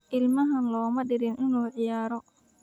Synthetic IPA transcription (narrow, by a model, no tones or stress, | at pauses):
ʔɪlmɐɦɐnlɔːmɐɗɪɾɪnʔɪnɔːʕɪjaːɾɔ